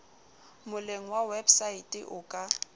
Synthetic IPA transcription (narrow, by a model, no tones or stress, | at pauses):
mʊleŋ̩wawebsaitʼɪʔʊkʼa